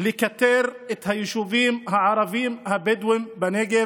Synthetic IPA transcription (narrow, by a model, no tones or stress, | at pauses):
lɪkat̪eːɾɪt̪hajʃuviːmhaʕɑɾˤɑviːmhabɪd̪wɪmbaneɡe